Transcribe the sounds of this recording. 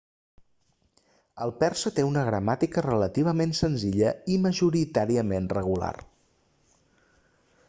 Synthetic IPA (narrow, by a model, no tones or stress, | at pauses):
əlˠpɛrsət̪eunəɣ̞ɾəmat̪ikərələt̪iβ̞əmensənziʎəiməʒuɾit̪aɾiəmenrəɣ̞ula̰r